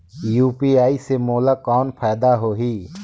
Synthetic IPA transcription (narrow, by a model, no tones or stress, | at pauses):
juːpiːaːisemɔːlaːkɔːnpʰaːjd̪aɦoːɦiː